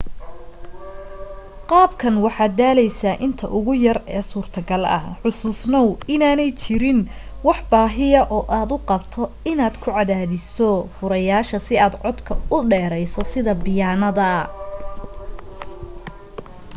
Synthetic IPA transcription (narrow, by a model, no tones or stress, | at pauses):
qɑːbkʰɐnwɑħɑːd̪aːlɛjsaːʔɪnt̪ʰɐʔʊɣʊjɐrɛːsuːrt̪ʰɐɡɐlɐ̰ʕʊsʊːsnɔwɪnaːnɛjt͡ʃʰɪɾɪnwɑħbaːɦɪɐʔɔːʔaːd̪ʊqɑbt̪ʰɔɪnaːd̪kʰʊʕɑðaːðɪsɔfʊɾɐjaːʃɐsɪaːd̪ʕɔd̪kʰɐʊɖɛːɾɛjsɔsɪðɐbɪjaːnɐðɐ